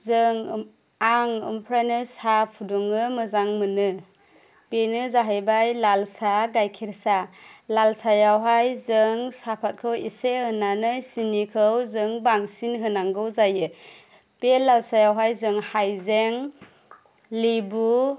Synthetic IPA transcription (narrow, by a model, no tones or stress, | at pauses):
zɯŋ | aŋɯ̰mpʰɾanɯsapʰudɔŋɯmɯzaŋmɯnɯ | b̥enɯzaɦajbajlalsaɡajkʰiɾsalalsajawɦajzɯŋsapʰat̚kʰɯwisehɯnanɯjsinikʰɯwzɯŋbaŋsinɦɯnaŋɡɯwzajɯ | b̥elːalsajawɦajzɯŋhajzeŋ | libu